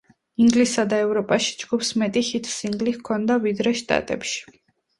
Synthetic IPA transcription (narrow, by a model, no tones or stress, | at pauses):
iŋɡlisad̪aɛvɾɔpʼaʃi̥d͡ʒɡupsmɛt̪ʼihit̪ʰsiŋɡlikʰɔnd̪avid̪ɾɛʃt̪ʼa̰t̪ʼɛ̰pʃi̥